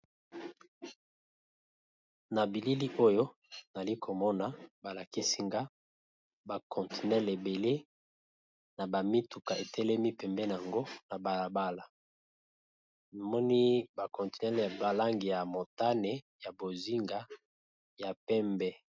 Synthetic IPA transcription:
na˨bi˨li˦li˦ʔo˦jo˦ | na˨li˦kʰo˨mɔ˦na˨ba˨la˨ki˦si˦ŋɡa˦ | ba˨kʰɔ˨nti˨nɛ˦le˨be˨le˦ | na˨ba˨mi˦tu˨ka˨e˨tɛ˦lɛ˦mi˦pɛ˨mbɛ˦n˨a˨ŋɡo˦na˨ba˨la˨ba˦la˨ | na˨mɔ˦ni˦ba˨kɔ̃˨nti̥˨nɛ˦lba˨la˦ŋɡi˨ja˨mo˨ta˦ne˨ | ja˨bo˨zi˦ŋɡa˦ | ja˨pɛ˦mbɛ˦

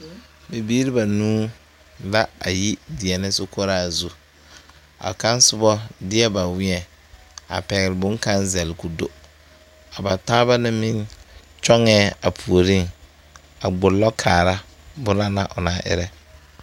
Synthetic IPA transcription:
be˨bi˦ɾi˦ba˨nuː˦ | la˦a˨ji˦dɪ˨ɛ˨nɪ˦sʊ˦ko˦ɾaː˦˨zu˦ | a̰˨ka˦n˦sʊ˦bɔ˦dɪ˦ɛ˦ba˨wɪ˦ɛ˨ | a̰˨pɛ˨ɣɪ˨ɾɪ˨bʊ˦ŋka˦nzɛ˨lɪ˨ku˨do̰˦ | a˨ba˨taː˦ba˦nɪ˦mɪ˦n | t͡ʃɔ˦ŋɛː˦a˨pʰu˨o˨ɾi˦ŋ | a˨ɡ͡bʊ˨lːɔ˦kʰaː˨ɾa˦ | bʊ˦na˦na˦ʔʊ˨na˨˦ʔɪ̰˦ɾɛ˦

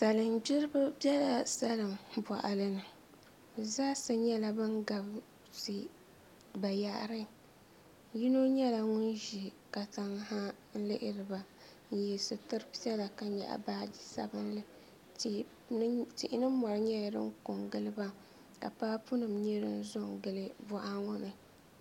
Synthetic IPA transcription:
sa˨lɨ˨mbi˦ɾɨ˦bɨ˦bɛ˦la˨sa˦lɨ˨mbʷa˨ʔa˨lɨ˦nɨ˨ | zaː˦sɨ˦ɲɛ˦la˦bɨ˦ŋɡa˨b | ti˨ | ba˨ja˨ʔɾɨ˦ | ji˦no˦ɲɛ˦la˨ŋʊ˦nʒi˨ | ka˨ta˨˦ŋ˦ɦa˦ | n̩˦lɪ˦ʔɪ˦ɾɨ˨ba˨ | n̩˨jɛ˨sɨ˨tɨ˦ɾpi˦ɛ˦la˨ka˨ɲɛ̰˨ʔa̰˨baː˦d͡ʒi˦sa̰˨bɨ˦n˦lɨ˦˨˦ | ti˨ʔɪ˦nɨ˦mɔ˨ɾɨ˨˦ɲɛ˦ja˨dɨ̰˦ŋ˦kʊ˨ŋɡɨ˦lɨ˦ba˦ | ka̰˨paː˦pu˦nɨ˨mɲɛ˦ɾɨ˦n˦zʊ˦ŋɡɨ˦˨lɨ˦bɔ˦ʔa˦ŋʊ˦nɨ˨

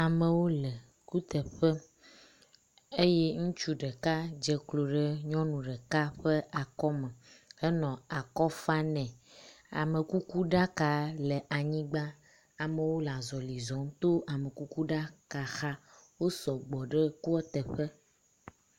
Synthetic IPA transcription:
a˨mẽ˨wo˦lɛ˨ | ku˦t̪ɛ˨ɸɛ˦ | e˦je˦ŋũ˦t͡ʃu˦ɖɛ˨ka˦d͡ʒɛ˦klo˨ɖe˦ɲɔ̃˦nũ˨ɖɛ˨ka˦ɸe˦ʔa˨kɔ˦mẽ˨e˦nɔ̃˨a˨kɔ˦fa˦nɛ̃˨ | a̰˨me˨ku˦ku˦ɖa˦ka˨le˨ʔa˨ɲĩ˦ɡ͡ba˦ | a˨mẽ˨wo˦la˨zɔ˨li˨zɔ˨˦ŋ˦t̪o˦ʔa˨me˨ku˦ku˦ɖa˦ka˨xa˦wo˦sɔ˨ɡ͡bɔ˨ɖe˦ku˦ɔ˦t̪ɛ˨ɸɛ˦

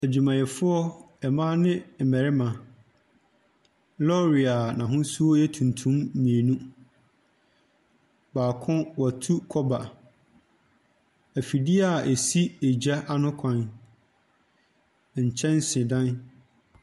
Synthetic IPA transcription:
æ˨d͡ʑu˨mã˨jɛ˨fʊ˦ɔ˦ | ɛ˨mãː˦nɪ̃˦˨mɛ˨ɾɪ˦mã˨ | lɔ˦ɾi˨a˨nã˨ɦʊ̃˦su˦ɔ˦jɛ˦tʰũ˨ntʰũ˦mmĩ˨e˨nũ˦ | baː˨kʰɔ̃˦wɔ˨tʰu˦kʰɔ˦ba˨ | æ˨fi˨dɪ˦a˨e˨si˦e˨d͡ʑa˦ʔa˦nʊ̃˦kʷʰã˨n | ɲ̩˨t͡ɕʰɛ̃˦n˦sɪ̃˨dã˦n

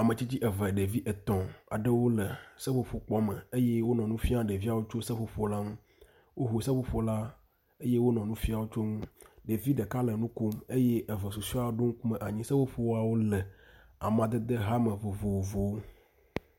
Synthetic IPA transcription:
a˨mə̃˨t͡ɕi˦t͡ɕi˦ʔɛ˨vɛ˨ɖe˨vi˦ʔɛ˨t̪ɔ̃˨a̰˨ɖɛ˦wo˦lə˨sɛ˦ɸo˦ɸo˨k͡pɔ˦mɛ̃˨e˦je˦wo˦nɔ̃˨nũ˦fi˦a˦ɖe˨vi˦a˨wo˦t͡ʃo˦sɛ˦ɸo˨ɸɔ˦la˦ŋũ˦ | wʔo˦ɦo˨sɛ˦ɸo˦ɸɔ˦la˦ | e˦je˦wo˦nɔ̃˨nũ˦fi˦a˨wo˦t͡ʃo˦ŋũ˦ɖe˨vi˦ɖe˨ka˦lə˨nũ˦ko˦me˦je˦ɛ˨və˨su˨si˦a˦ɖo˦ŋ̩̃˦ku˦mɛ̃˨ʔa˨ɲĩ˦sə˦ɸo˦ɸo˦wa˨wo˦lɛ˨ | a˨mã˨d̪e˦d̪e˦ɦa˦mə̃˨vo˨vo˨wo˨vo˨wo˦

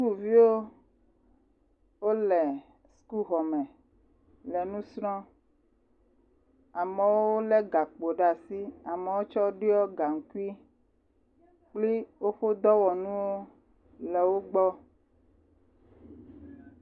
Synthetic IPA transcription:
sku˦vi˦wo˦ | wo˦lɛ˨ | sku˦ɣɔ˨mɛ̃˨ | lɛ˨nũ˦sɾɔ̃˦ | a˨mɛ̃˨wo˦wo˦lɛ˦ɡa˨k͡po˨ɖa˨si˦a˨me˨wo˦t͡ʃɔ˦ɖi˦ɔ˦ɡa˨ŋ̩˨ku˦i˦ | k͡pli˦wo˦ɸo˦d̪ɔ˦wɔ˨nũ˦wo˦ | lɛ˨wo˦ɡ͡bɔ˦

